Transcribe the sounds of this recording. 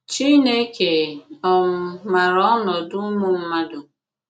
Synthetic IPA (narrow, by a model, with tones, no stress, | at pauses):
t͡ʃi˦ne˦ke˨ɔ˨m̩˨ma˨ɾɔ˦ɔ˦nɔ˨dʊ˦mʊ˦m̩˦ma˦dʊ˨